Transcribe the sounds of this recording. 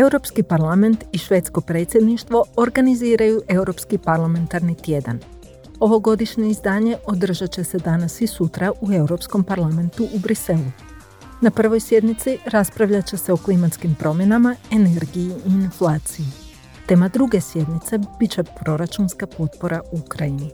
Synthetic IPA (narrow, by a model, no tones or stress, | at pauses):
e̞wɾo̞pskipaɾlˠame̞nt̪iʃʋe̞ːt̪sko̞pɾe̞ːt̪sʲje̞d̪niʃt̪ʋo̞oɾɡaniziːɾajuʔe̞wɾo̞pskipaɾlˠame̞nt̪aɾnit̪je̞d̪a̰n | o̞ʋo̞ɡo̞d̪iʃɲe̞izd̪aːɲe̞ʔo̞d̪r̩ʒat͡ɕe̞se̞d̪anasisut̪ɾaʔue̞uwɾo̞psko̞mpaɾlˠame̞nt̪uʔubɾise̞lˠu | napr̩ʋo̞jsje̞d̪nit̪siɾaspɾaʋʎat͡ɕe̞se̞o̞klimat̪skimpɾʔo̞mje̞namae̞ne̞ɾɡijiiinflˠaːt̪sije | t̪e̞ːmad̪ɾuɡe̞sje̞d̪nit̪se̞b̥it͡ɕe̞pɾo̞ɾat͡ʃunskapo̞t̪̚po̞ɾaʔuukɾajini